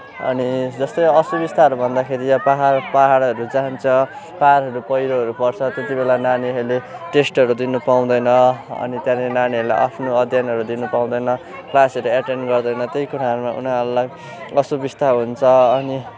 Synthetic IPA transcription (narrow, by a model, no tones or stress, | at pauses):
ʌ̰nid͡zʌst̪ʌjʌsubist̪ʰaɦʌɾubʱʌnd̪akʰeɾijapaɦapaɦaɽʌɾud͡zant͡sʰʌ | paɾɦʌɾupʌjɾoɦʌɾupʌrt͡sʰʌt̪et̪ibelananiɦʌɾleʈesʈʌɾud̪inupaw̃d̪ʌjnʌʌ̰nit̪jãllenaniʌɾula̰jʔa̰pʰnoʌd̪ʱjanʌɾud̪inupaw̃d̪ʌjnʌ | klasʌɾuaʈenɖɡʌrd̪ʌjnʌt̪jejkuɾaɦʌɾumaʔṵnaʌɾulaj | ʌsubist̪ʰaɦunt͡sʰʌʌni